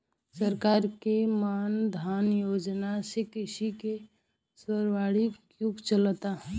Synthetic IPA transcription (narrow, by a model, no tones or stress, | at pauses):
səɾkaːɾkemaːnd̪ʱaːnjoːd͡ʒnasekɪsike | səɾwaːɽi | jʊɡt͡ʃəlt̪a